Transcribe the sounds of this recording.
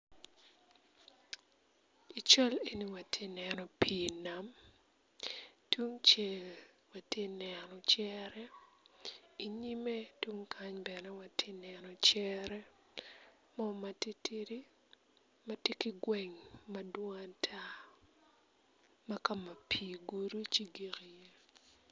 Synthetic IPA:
i˨t͡ʃɔ˦le˨ni˦wa˨tʰe˦nɛnɔ˨pi˨na˨m | tʰwu˦ŋt͡ʃɛ˨l | wa˨te˦nɛnɔ˨t͡ʃɛɾɛ˦ | i˨ɲi˦me˦twu˦ŋkʰa˦ɲbɛ˨nɛ˦wa˨tʰe˦nɛnɔ˨t͡ʃɛɾɛ˦ | mɔ˦ma˨ti˦ti˦ɾi˦ | ma˨te˦ki˦ɡwɛ˨ŋma˨dwɔ˦ŋa˦tʰa˦ | ma˦ka˨ma˨pʰi˨ɡu˦ɾu˦t͡ʃi˦ɡi˨ki˨je˦

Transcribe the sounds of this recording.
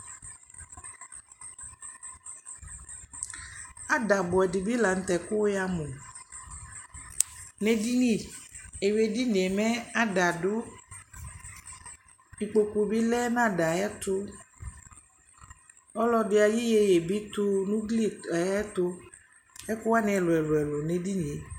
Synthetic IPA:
a˦ɖa˨bɔ˨ɛ˨di˨bi˦la˨ŋ̩˨t̪ɛ˨ko˦wja˦mo˨ | ne˨di˦nĩ˦˨e˨we˨di˦n˨e˨mɛ˦a˦ɖa˨ɖo˦ | i˨k͡po˨ku˨bi˦lɛ˦nã˦˨ɖa˨jɛ˦t̪o˦ | ɔ˦lɔ˦de˨˦a˨ji˦je˦je˨bi˦t̪o˦nũ˦ɡli˦˨˦ɛ˦t̪o˦ | ɛ˦ku˦wa˦nɛ̃˨ɛ˨lo˨ɛ˨lo˨ɛ˨lo˨ne˨di˦nĩ˨e˨

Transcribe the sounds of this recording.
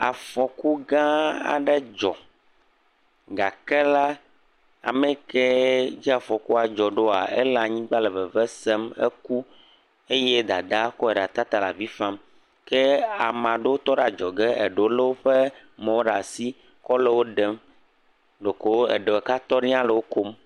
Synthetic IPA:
a˨fɔ˨ku˦ɡã˦a̰˨ɖɛ˦d͡ʒɔ˨ | ɡa˨kɛ˦la˦ | a̰˨mɛ̃˨kɛ˦d͡ʑi˦a˨fɔ˨ku˦a˨d͡ʒɔ˨ɖo˦a˨ɛ̰˦la˨ɲĩ˦ɡ͡ba˦lɛ˨vɛ˨vɛ˦sɛ˦mḛ˦ku˦ | e˦je˦d̪a̰˨d̪a˦kɔ˦ɛ˨ɖa˨t̪a˦t̪a˨la˨vi˦fa˦m | kɛ˦a˨mã˨ɖe˦wo˦t̪ɔ˦ɖa˨d͡ʒɔ˨ɡɛ˦ʔe˨ɖo˨˦le˦wo˦ɸe˦ | mɛ̃˨wo˦ɖa˨si˦ | kɔ˦le˦wo˦ɖɛ˨m | ɖo˨ko˨wo˦ḛ˨ɖe˨wɛ˨ka˦t̪ɔ˦ɖĩ˦ã˦le˨wo˦ko˦m

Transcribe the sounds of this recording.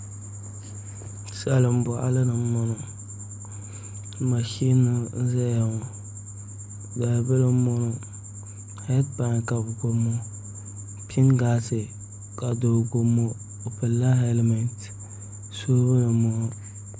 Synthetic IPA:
sɛ˨lɨ˨m̩˦bʊ˨ʔa̰˨lɨ˦nɨ˨˦mɔ˦nɔ˨ | ma˨ʃi˦nɨ˨˦za˦ja˨ŋɔ˨ | da˨bə˦lɨ˦mo˦no˨ | hɛ˦tpa˨ŋ˨ka˨bɡo˨mːo˦ | pʰi˦nɡa˦sɪ˨ | ka˨do˨ɡo˨mːo˦ | o˨pɨ˨lːa˦hɛ˦lme˨nt | so˦bɨ˦nɨ˨mo˨no˦

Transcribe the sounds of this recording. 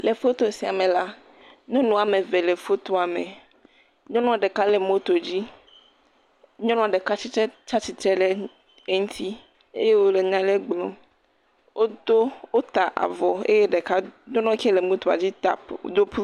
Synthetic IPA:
le˨fo˦t̪o˨si˨a˨me˨la˦ | ɲɔ̃˦nɔ̃˨a˨me˨ve˨le˨fo˦t̪o˦a˨mḛ˨ | ɲɔ̃˦nɔ̃˦a˨ɖe˨ka˦le˨mo˦t̪o˨d͡ʑi˦ | ɲɔ̃˦nɔ̃˨a˨ɖe˨ka˦t͡ɕi˦t̪ɾɛ˦t͡ʃa˦t͡ɕi˦t̪ɾe˦le˨ | e˦ŋũ˦t̪ʰi˦ | ḛ˦je˦wo˦le˨ɲã˦le˦ɡ͡blɔ̃˨ | wʔo˦d̪o˦wo˦t̪a˨ʔa̰˨vɔ˨ḛ˦je˦ɖe˨ka˦ɲɔ̃˦nɔ̃˦ke˦le˨mõ˦t̪o˨a̰˨d͡ʑi˦t̪a̰˦˨pd̪o˦pu˦

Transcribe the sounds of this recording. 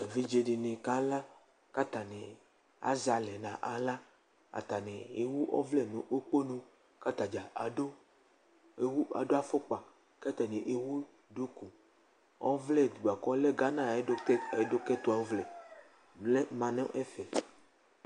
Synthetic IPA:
e˨vi˦d͡ʒe˦ɖi˨nẽ˨ka˦la˦ | ka˦t̪a˨nɛ̃˨ | a̰˦za˨lɛ˨nã˨ʔa˨la˦ | a̰˨t̪a˨nɛ̃˨e˨wu˦ʔɔ̰˦vlɛ˦nũ˨ʔo˦k͡po˦nõ˦ | ka˦t̪a˨d͡ʒa˨a˨do˦ | e˨wu˦a̰˨do˦a˦fo˦k͡pa˨ | ka˦t̪a˨nẽ˨ʔe˨wu˦ | do˦ku˨ | ɔ̰˦vlɛ˦d̪u˨ɡ͡ba˨kɔ˦le˦ɡa˦nã˦e˦e˨do˦kɛ˦t̪o˦a˨o˦vlɛ˨ | ble˦mã˨nẽ˦ʔɛ˦fɛ˨

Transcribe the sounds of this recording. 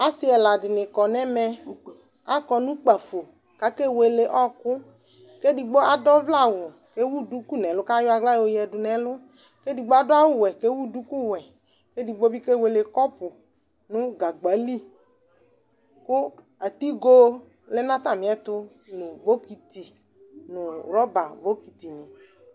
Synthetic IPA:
a˨si˦ɛ˨la˨dɪ˨nɪ˨kɔ˨nɛ˦mɛ˧ | a˦kɔ˨nũ˦k͡pa˨fo˨ | ka˦ke˦we˨le˨ʔɔ˦kʊ˦ | ke˦di˨ɡ͡bo˦a˨dɔ˦vla˦˨wʊ˨ | ke˦wu˦du˦ku˦nɛ˨lʊ˦ka˦jʊ˦a˨ɡla˦jo˦jɛ˨dʊ˨nɛ˨lʊ˦ | ke˦di˨ɡ͡bo˦a˦dɔ˦a˦wʊ˦wɛ˨ke˦wu˦du˦ku˦wɛ˨ | ke˦di˨ɡ͡bo˦bi˦ke˦˨we˨le˨kɔ˦pʊ˨ | nʊ̃˦ɡa˨ɡ͡ba˨˦li˦ | kʊ˦ | a˨t̪i˦ɡo˦ | le˦nã˦t̪a˨mĩ˨˦ɛ˦t̪ʊ˦ | nʊ̃˨bo˦ki˨t̪i˨ | nʊ˨wɾɔ˦ba˨vo˦ki˨t̪i˨nɪ̃˨

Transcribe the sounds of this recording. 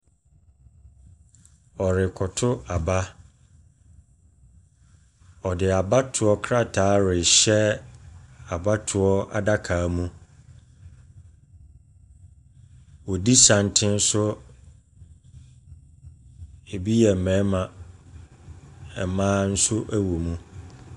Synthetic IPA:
ɔ˨ɾɪ˨kʰɔ˨tʰʊ˦a˨ba˦ | ɔ˨dɪ˨a˨ba˦tʰʊ˨ɔ˦kʰɾa˦˨tʰaː˨˦ɾɪ˨ɕɛ˦ | a˨ba˦tʰʊ˨ɔ˦a̰˨da˦kʰaː˨˦mũ˦ | wɔ˨di˦sã˨n˨tʰɪ̃˦n̩˦sʊ˦ | e˨bi˦jɛ˨mɛ̃˨˦mã˨ | ɛ˨mãː˦n̩˦sʊ˦ʔæ˦wo˨mũ˦

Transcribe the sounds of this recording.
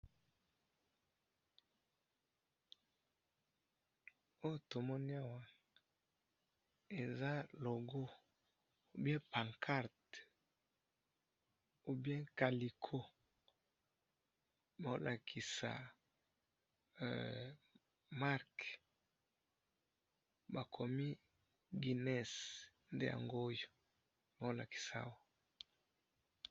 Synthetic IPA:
o˦jo˨to˨mɔ˦ni˦a˨wa˨ | e˨za˦lo˨ɡo˦ | o˦bjɛ̃˦pa˨ŋkʰa˦˨ɾt | u˦bjɛ̃˦ka˨li˨kʰo˦ | ba˨o˦lʔa˨kʰi˨sa̰˨ | ma˦ʁk | ba˨kʰo˨mi˦ | ɡi˨nɛ˦˨s | nde˦ja̰˨ŋɡo˦jo˨ | ba˨o˦la̰˨ki̥˨sa̰˦˨wa˦

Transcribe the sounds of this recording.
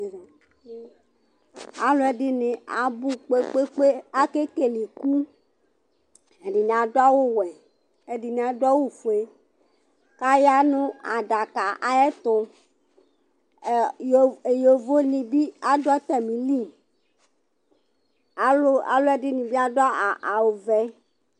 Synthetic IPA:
a˨lo˦ɛ˦˨ɖɪ˦nɪ̃˨a˨bu˦k͡pe˦k͡pe˦k͡pe˦a˦ke˦ke˦˨li˨ku˦ | e˨ɖi˨nĩ˨a˨dɔ˦a˦wo˦wɛ˨ | e˨di˨nĩ˨a˨dɔ˦wo˦fu˨e˨ | ka˦ja˦nũ˦a˨ɖa˨ka˨ʔa˨ɛ˦t̪ʊ˨ | je˨jo˨vo˦nĩ˨bi˦a˦dɔ˦t̪ɛ˨mĩ˨li˦˨m | a˨lo˦a̰˨lo˦ɛ˨di˦nĩ˨bi˦a˦dɔ˦a˨ʔa˨wo˨vɛ˦

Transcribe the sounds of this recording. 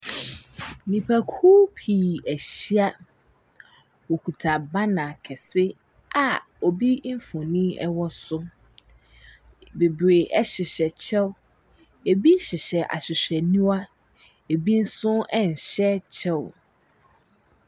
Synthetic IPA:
nĩ˨pʰæ˨kʰu˦pʰi˨æ˨ɕi˦a˦ | wo˨kʰu˨tʰa˨ba˦nã˨kʰɛ˨sɪ˦ | a˨ | o˨bi˦m̩˦fʊ̃˨nĩ˦ɛ˦wɔ˦sʊ˦ | be˨bɾe˨ʔɛ˦ɕɪ˨ɕɛ˨t͡ɕʰɛ˦w | e˨bi˦ɕɪ˨ɕɛ˨ʔa̰˨ɕᶣɪ˨ɕᶣɛ˨nũ˦a˦ | e˨bi˦n̩˦sʊ̃˦ɛ˦n̩˨ɕɛ˦t͡ɕʰɛ˦w

